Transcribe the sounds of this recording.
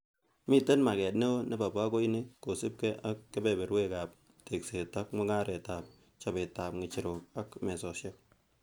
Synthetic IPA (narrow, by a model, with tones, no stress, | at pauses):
mi˦te˦nma˨kɛ˨tne˦wo˦ne˦ba˨ba˦ko˦i˦nɪ˦ko˨sɪ˦p̚kɛ˦ʔa˦kːe˦be˨be˨ɾwe˦ka˨p̚ | te˨kse˨ta˦kmɔ˦ŋa˦ɾe˨ta˨p̚ | t͡ʃa˨be˨ta˨p̚ŋɪ˨t͡ʃi˨ɾo˨ka˦kmɛ˨sɔ˨sja˦k̚